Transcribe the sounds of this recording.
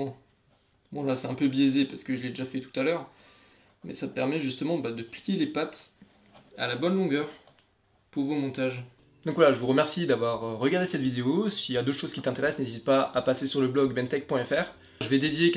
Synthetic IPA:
bɔ̃lasɛt̪ɛ̃pøbjezepaʁsə̥kəʒəled̪eʒafɛt̪u̥t̪alœʁ | mɛ̰sat̪əpɛʁmɛʒyst̪əmɑ̃bad̪əplijelepat̪ | a̰labɔnlɔ̃ɡʲœʁ | puʁvomɔ̃t̪aʒ | d̪ɔ̃kvwalaʒəvuʁəmɛʁsid̪avwaʁʁːəɡaʁd̪esɛt̪vid̪eosiljad̪oʃoz̥kʲit̪ɛ̃t̪eʁɛsnezit̪̚paapasesyʁləblɔɡbɛnt̪ɛk̚pwɛ̃ɛfɛːʁ | ʒəvɛd̪ed̪jek

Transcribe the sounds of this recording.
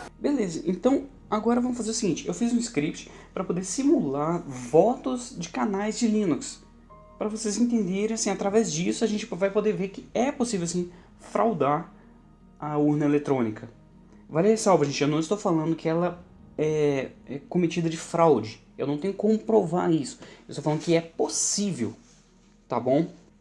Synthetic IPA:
belezɐʔẽnt̪ɐ̃w̃ | aɡɔɾɐvɐ̃mʊfazeɾʊsiɡĩnt͡ʃɪʔewfizũɪskɾip̚t͡ʃɪ̥pɾɐpod̪eɾsimulaɾvɔt̪ʊzd͡ʒɪkanajzd͡ʒɪlĩnuks | pɾɐvosezẽnt̪̬ẽnd̪eɾẽj̃asĩat̪ɾavɛzd͡ʒisʊaʒẽnt͡ʃɪvajpod̪eveɾkɪɛposivewasĩ | fɾʔa̰wd̪aɾ | ɐuɾnɐelet̪ɾõnikʰɐ | valesawvɐʒẽnt͡ʃɪʒawnɐ̃w̃ɪst̪owfalɐ̃nd̪ʊkɪɛlɐ | ɛɛkõmet͡ʃid̪ɐd͡ʒɪfɾawd͡ʒɪ | ewnɐ̃w̃t̪ẽɲʊɪkõmʊpɾova̰ɾisʊ̥ewst̪oflɐ̃nd̪ʊkɪɛposivḛw | t̪abõw̃

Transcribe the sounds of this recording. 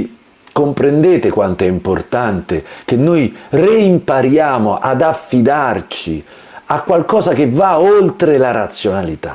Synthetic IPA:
kompɾend̪eːt̪ekwant̪oɛimport̪ant̪ek̟enːojreimpaɾjaːmoʔad̪afːid̪art͡ʃi | akːwalkɔːzakevːaolt̪ɾelaɾat̪sːjonalit̪a̰

